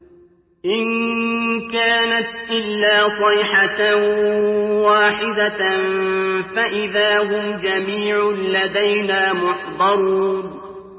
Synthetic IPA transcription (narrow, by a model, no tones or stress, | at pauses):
ʔɪn | kaːnat̪ʔɪlːaːsˤɑjħa | waːħɪd̪a | faʔɪðaːɦʊmd͡ʒamiːʕʊlad̪ajnaːmʊħd̪ˤɑɾuːn